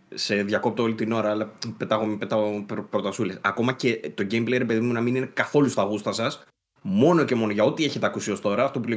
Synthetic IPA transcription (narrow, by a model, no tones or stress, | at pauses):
se̞ðʝɐko̞p̚t̪oolit̪ino̞ɾɐɐlɐpet̪ɐɣompet̪ɐɣopɾot̪ɐsulesɐko̞mɐce̞t̪o̞ɟejmblejɾepe̞ðimunɐminine̞kɐθo̞lustɐɣust̪ɐsɐs | mo̞no̞ce̞mo̞no̞ʝɐot̪ie̞çe̞t̪eɐkusio̞st̪o̞ɾɐːft̪o̞pule